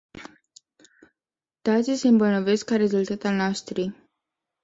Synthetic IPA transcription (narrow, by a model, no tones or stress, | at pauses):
t̪at̪siseɨmbəlnoveskaɾe̞zult̪at̪alnaʃt̪ɾi